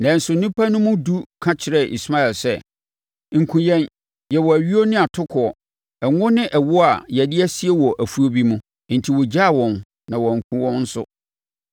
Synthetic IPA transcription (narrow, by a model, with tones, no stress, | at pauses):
nã˨n̩˦sʊ˨nĩ˦pʰa˦nʊ̃˦mʊ̃˦du˦kʰã˦t͡ɕʰɪ˨ɾɛ˦ʔḭ˨sma˦ɛ˨lsɛ˦ | ŋ̩˨kʰũ˨jɛ̃˦n | jɛ˨wɔ˨æ˨ɥi˦o˦nɪ̃˦a˨tʰʊ˦kʰɔ˨ɔ˨ | ɛ˨ŋʊ̃˦nɪ̃˦ʔɛ˨wʊ˦a˨jɛ˨dɪ˦æ˦sɪ˦ɛ˦wɔ˨ʔæ˨fu˨˦o˦bi˦mũ˦ | n̩˨tʰi˨wɔ˨d͡ʑa˦˨wɔ̃˨n | nã˨wɔ˨ŋ̩˨kʰũ˨wɔ̃˦nn̩˦sʊ̰˦